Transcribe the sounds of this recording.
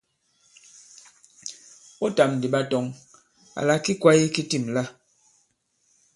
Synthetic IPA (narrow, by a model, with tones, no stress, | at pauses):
o˦ta˨mn̩˨di˨ɓa˦tɔ˨ŋ | a̰˨la˦ki˦kwa˦i˦ki˦ti˦˨mla˦